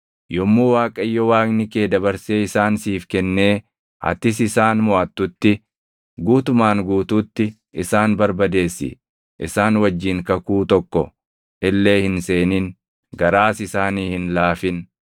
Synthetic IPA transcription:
jɔmːuːwaːkʼɐjːɔwaːknɪke̞ːd̪ɐbɐɾseːɪsaːnsiːfkɛnːe̞ː | ɐ̰t̪ɪs̬ɪsaːnmɔʔɐt̪ːʊt̪ːɪ | ɡuːt̪ʊmaːŋɡuːt̪uːt̪ːɪ | ʔɪsaːnbɐɾbɐd̪e̞ːsːɪ̰ | ʔɪ̰saːnwɐd͡ʒːiːŋkɐkuːt̪ɔkːɔ̰ | ʔɪlːe̞ːhɪnse̞ːnin | ɡɐɾaːsɪsaːniːhɪnlaːfɪn

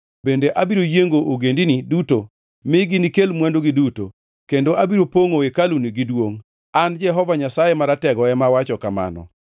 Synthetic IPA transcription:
bendeʔabiɾojeŋɡoʔoɡendiniduto | mɪɡinikelmwandoɡiduto̰ | kendoʔabiɾopoŋoekaluniɡidwoŋ | and͡ʒɛɦɔvaɲasajemaɾatɛɡɔɛmawat͡ʃɔkama̰nɔ̰

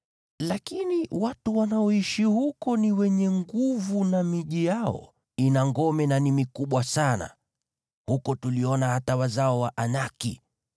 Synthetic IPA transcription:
lakiniwatuwanaɔiʃihukɔniwɛɲɛŋɡuvunamiʄijaɔ̰ | inaŋɡɔmɛnanimikuɓwasana̰ | hukɔtuliɔnahatawazaɔwaʔanakḭ

